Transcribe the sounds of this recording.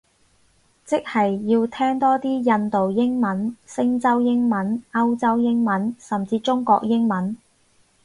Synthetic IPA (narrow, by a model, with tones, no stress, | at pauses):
t͡sɪ˥k̚hɐ˨jːiː˧wt̪ʰɛː˥ŋt̪ɔː˥t̪iː˥jɐ˧nt̪o˨wjɪ˥ŋmɐ˨˥nsɪ˥ŋt͡sɐ˥wjɪ˥ŋmɐ˨˥nɐ˥wt͡sɐ˥wjɪ˥ŋmɐ˨˥nsɐ˨mt͡siː˧t͡ʃʊ˥ŋkɔ̰ː˧k̚jɪ˥ŋmɐ˨˥n